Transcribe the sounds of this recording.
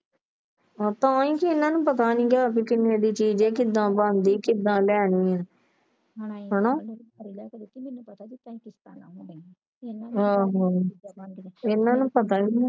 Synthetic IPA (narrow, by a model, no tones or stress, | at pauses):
t̪ãːĩːkɪɪnãːnũːpət̪aːnĩːkaːkɪkɪnːẽːd̪iːt͡ʃiːd͡ʒɛːkɪd̪ːãːbə̃nd̪iːkɪd̪ːãːlɛːɳĩːɛ̃ː | ɦənõː | ɦaːɦaː | ɪnːãːnũːpət̪aːnĩː